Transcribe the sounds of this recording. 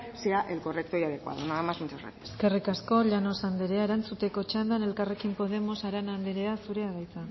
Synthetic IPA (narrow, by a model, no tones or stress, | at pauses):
siaʔelko̞rek̚t̪ojaðekoa̰ðonaamasmunt͡sasra̰t̪ieske̞rikasko̞ʎano̞sand̪eɾeae̞ɾant͡sut̪e̞ko̞t͡ʃand̪ane̞lkare̞kimpo̞ð̞e̞mo̞saɾanand̪eɾeasuɾe̞aɣajt͡sa